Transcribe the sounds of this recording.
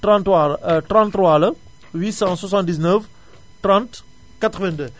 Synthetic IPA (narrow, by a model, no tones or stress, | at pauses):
tɑ̃t̪wat̪ɾɑ̃nt̪rwalə | wisɑ̃swasɑ̃nt̪d̪iznəf | t̪ʁɑ̃t̪ | kat̪ʁəvɛ̃d̪ø